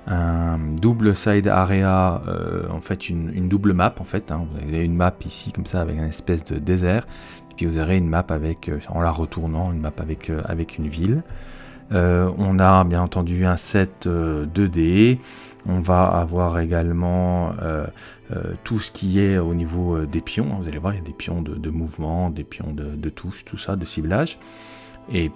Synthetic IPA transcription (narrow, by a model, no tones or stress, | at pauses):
ɛ̃d̪ubləsajd̪a̰ʁeaø̰ɑ̰̃fɛt̪ynynd̪ubləmapɑ̃fɛt̪ɛ̃vuza̰veynmapisikɔmsaːvɛ̰kɛ̃nɛspɛs̬d̪əd̪ezɛʁ | epɥivuzaveynmapavɛkʰøɑ̰̃laʁət̪ʰuʁnɑ̃ynmapavɛkʰøa̰vɛkʰynvil | øɔ̃nabjɛ̃nɑ̃t̪ɑ̃d̪yɛ̃sɛt̪ød̪əd̪e | ɔ̃vaa̰vwaʁeɡalmɑ̃ø̰ | ø̰t̪ʰusə̥kʲʰiɛonivoød̪epjɔ̃ɛ̃vuzalevwaʁiljad̪epjɔ̃d̪əd̪əmuvmɑ̃d̪epjɔ̰̃d̪əd̪ət̪ʰuʃt̪ʰusad̪əsiblaʒ | e